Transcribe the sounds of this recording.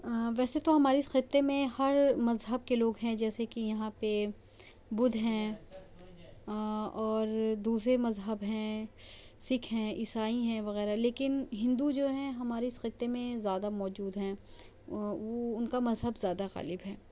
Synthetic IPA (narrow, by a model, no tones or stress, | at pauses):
ʋɛːset̪oɦɐmaːɾisxɪt̪ːemẽhɐɾmɐzɦəb̚keloːɡɦɛ̃d͡ʒɛːsekijɐɦãpe | bʊd̪ʱɦɛ̃ | ɔːɾd̪uːsɾemɐzɦəbɦɛ̃ | sɪkʰɦɛ̃ʔɪsaːiɦɛ̃ʋɐɣɛːɾaleːkɪnɦɪ̃nd̪ud͡ʒoːɦɛ̃ɦɐmaːɾeɪsxɪt̪ːemẽzjaːd̪amɔːd͡ʒuːd̪ɦɛ̃ː | ʋoʊnkamɐzɦəbzjaːd̪aɣa̰ːlɪbɦɛː